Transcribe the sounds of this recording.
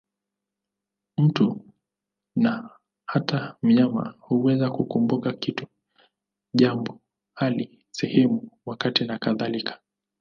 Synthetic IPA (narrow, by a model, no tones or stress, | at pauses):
m̩tu | na | hatam̩ɲama̰huwɛzakukumbukakitu̥ | ʄambɔ | hali | sɛhɛmuwakatinakaðalikʰḁ